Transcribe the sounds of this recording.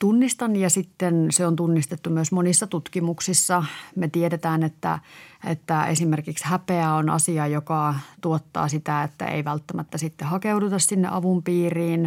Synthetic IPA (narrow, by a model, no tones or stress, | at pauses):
t̪unːist̪ɑnjɑsit̪ːenseont̪unːist̪et̪ːumyøsmonisːɑt̪ut̪kimuksisːɑmet̪ieɾet̪æːnet̪ːæ̰ḛt̪ːæesimerkikshæpeæonɑ̰siɑjokɑt̪uot̪ːɑ̰ːsit̪æet̪ːæ̰ḛiʋælt̪ːæmæt̪ːæsit̪ːehɑkeudut̪ɑssinːḛʔɑʋumpiːriːn